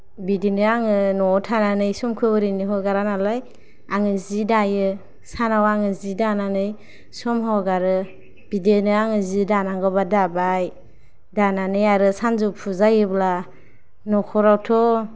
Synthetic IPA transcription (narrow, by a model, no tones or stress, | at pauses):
bidenɯaŋɯnɔtʰananɯjsɔmkʰɯɔɾiniɦɔɡaɾanalaj | aŋɯzidajɯ | sanawaŋɯzidananɯj | sɔmɦawɡaɾɯ | b̥idenɯaŋɯzidanaŋɡɔbadabaj | dananɯjaɾɯsanzupʰuzajɯbla | nɔkʰɔɾawtʰɔ